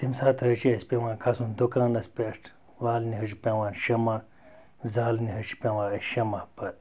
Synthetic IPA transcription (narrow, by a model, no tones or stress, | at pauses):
t̪imsaːt̪ʰɐt͡ʃiɐspʲẽʋãːnkʰasund̪okãːnɐspʲeʂʈʰ | ʋaːlniɦɐt͡ʃipʲẽʋãːnʃɐma | zaːlniɦɐt͡ʃi̥pʲẽʋãːɐʃɐmapɐt̪